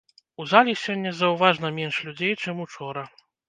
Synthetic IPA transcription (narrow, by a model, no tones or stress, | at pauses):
uzalʲisʲɔnʲːɐzɐwvaʐnɐmʲɛnʂlʲud͡zʲejt͡ʂɨmut͡ʂɔɾɐ